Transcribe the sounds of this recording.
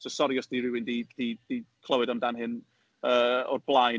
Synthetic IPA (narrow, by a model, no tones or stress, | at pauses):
sɔsɔɾiɔsd̥iɾɪwɪndid̥id̥ikʰlˠəwɨdɔmdanɦɪn | əɔ̰rblˠaj